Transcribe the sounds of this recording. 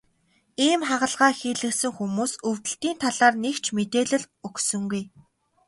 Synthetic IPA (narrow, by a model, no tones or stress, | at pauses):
iːmχaʁə̆ɮʁaːxiːɮɘ̆ksɘ̆ŋxumuːsɵwt̪ɘ̆ɬt̪iːnt̪ʰaɮaːrnekt͡ɕʰmet̪eːɮɘ̆ɮ | ɵksɵ̆ŋɡuj